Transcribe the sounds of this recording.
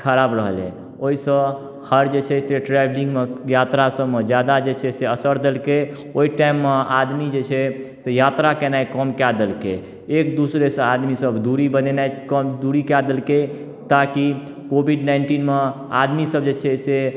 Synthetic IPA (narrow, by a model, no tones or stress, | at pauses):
kʰəɾabɾəɦəlɛ̰̃ | oisəb | həɾd͡ʒet͡ʃʰɛsʈeʈɾablĩŋɡmejat̪ɾasəbmed͡ʒjad̪ad͡ʒet͡ʃʰɛseəsəɾd̪elke | oiʈaimːead̪mid͡ʒet͡ʃʰɛsejat̪ɾakenajkəmkjad̪elkḛ | ekd̪usɾesə̃ad̪misəbd̪uɾibənenajkəmd̪uɾikjad̪elke | t̪aki | kobʱiɖnainʈinme | a̰d̪misəbd͡ʒet͡ʃʰɛse